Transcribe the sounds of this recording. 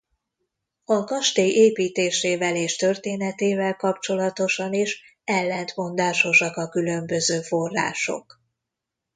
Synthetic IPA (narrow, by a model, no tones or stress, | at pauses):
ɒkɒʃt̪eːjʔeːpiːt̪eːʃeːvɛleːʃt̪ø̞rt̪eːnɛt̪eːvɛlkɒp̚t͡ʃo̞lɒt̪o̞ʃɒneʃ | ɛlːɛnt̪mo̞nd̪aːʃo̞ʃɒkɒkylø̞mbø̞zøːfo̞rːa̰ːʃo̞̰k